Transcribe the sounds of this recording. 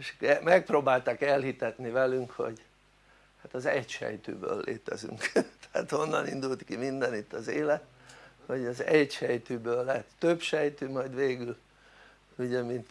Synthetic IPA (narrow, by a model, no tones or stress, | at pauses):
eʃkɛmɛk̚proːbaːlt̪akɛlɦit̪ɛt̪nivɛlyŋkho̞̰ɟ | hat̪ɒzɛcʃɛ̰jt̪y̰ːbø̰ːlːḛːt̪ɛzy̰ŋkt̪ɛ̥a̰ːt̪ho̞nːɒnind̪ult̪kimind̪ɛnit̪ːɒzeːlɛt̪ho̞ɟɒzɛcʃɛjt̪yːbøːlːɛt̪ːøpʃɛjt̪ymɒjd̪ʋeːɡyl | uɟɛmint̪